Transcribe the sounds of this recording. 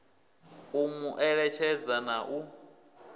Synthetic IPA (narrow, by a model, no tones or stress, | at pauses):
umuʔɛɺɛt͡ʃʰɛd͡zanaʔu